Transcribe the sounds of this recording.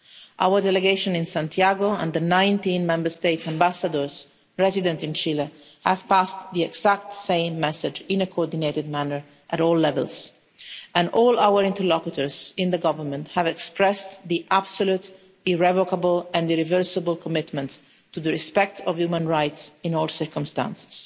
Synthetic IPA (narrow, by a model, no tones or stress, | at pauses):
ʔa̰wəɹdɛlɛɡeɪʃɔ̃nɪ̃nsãnt̪jaɡoɛ̰̃nd̪ənãj̃nt̪ĩnmɛ̃mbəɹst̪eɪtsãmbasad̪əɹz | ɹɛzid̪ɛ̃nt̪ɪ̃nt͡ʃilə | hæv̥past̪ðiɛɡsækt̪sẽɪ̃mːɛsɪd͡ʒɪ̃nəkʰoɔɹd̪ineɪt̪ɪd̪̚mænəɹ | ʔæɾɔːlːɛvə̰lz | ɛ̃nʔɔːlawəɹɪ̃nt̪əɾlɔkut̪əɹzɪ̃nd̪əɡɔvəɹmə̃nt̪hævɛkspɹɛst̪d̪iʔab̥solut̪ | ɪɹɛvɔkabəlɛ̃ndɪɾivəɹsəbəlkʰɔmɪt̪mə̃nt | tːuðəɹispɛk̚t̪ʰɔvjumə̃nɹajtsĩnɔːlˠsəɹkɔ̃mst̪ã̰nsɪ̥s